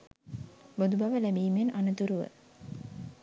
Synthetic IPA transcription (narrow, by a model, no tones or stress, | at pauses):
bod̪ubaʋəlæmiːmenʔanət̪uɾuʋə̰